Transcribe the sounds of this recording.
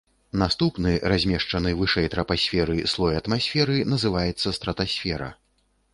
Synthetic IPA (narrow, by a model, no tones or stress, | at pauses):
nast̪upnɨrazʲmʲɛʂt͡ʂɐnɨvɨʂɛjt̪ɾɐpasʲfʲɛɾɨslˠɔjɐt̪masʲfʲɛɾɨnɐzɨvajɛt̪sːɐst̪ɾɐt̪asʲfʲɛɾɐ̰